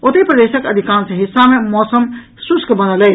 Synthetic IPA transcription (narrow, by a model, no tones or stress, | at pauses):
ot̪epɾəd̪eːsəkəd̪ʱikaːnsẽɦisːamẽmɔːsəm | suskbənəle